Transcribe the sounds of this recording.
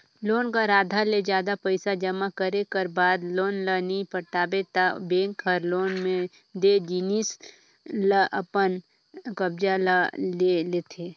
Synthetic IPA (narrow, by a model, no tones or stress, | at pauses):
loːnkaɾaːd̪ʱaled͡ʒjaːd̪apəɪsad͡ʒəmakəɾekəɾbaːd̪loːnlənipəʈaːbet̪abẽːŋkʰəɾloːnmẽ | d̪ed͡ʒiːnis | ləʔəpən | kəbd͡ʒalaleleːt̪ʰe